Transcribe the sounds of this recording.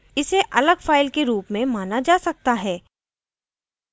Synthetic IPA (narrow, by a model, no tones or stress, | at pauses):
ɪseʔɐləɡfaːɪlkeɾuːpmẽmaːnad͡ʒaːsɐk̚t̪aɦɛː